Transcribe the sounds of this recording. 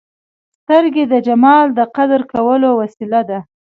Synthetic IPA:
st̪əɾɡed̪əd͡ʒamɑld̪əqad̪ɾkawəlowasilad̪a

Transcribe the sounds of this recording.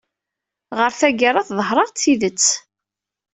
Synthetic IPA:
ʁəɾθæɡarˤɑθðˤəɦɾˤɑʁt͡sːiðət͡sː

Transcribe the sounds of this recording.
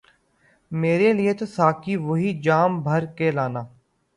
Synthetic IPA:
meːɾelɪet̪osaːkʰiʋoɦid͡ʒaːmbʱəɾkelaːnaː

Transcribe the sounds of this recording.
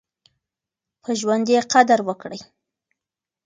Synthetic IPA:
pʰəʒwand̪jeqad̪aɾwəkɽəj

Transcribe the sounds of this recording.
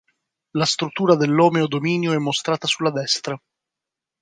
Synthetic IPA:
last̪ɾut̪ːuːɾad̪elːɔːmeod̪omiːnjoɛmːost̪ɾaːt̪asulːad̪ɛst̪ɾa

